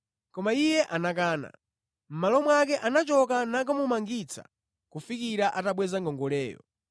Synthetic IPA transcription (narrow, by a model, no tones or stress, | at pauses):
kɔmaijɛʔanak̬aːna̰ | m̩malɔmwak̬ɛʔanat͡ʃɔkanak̬amumaŋɡit͡sʰa̰ | kufikiɾaʔataɓwɛzaŋɡɔŋɡɔlɛːjɔ̰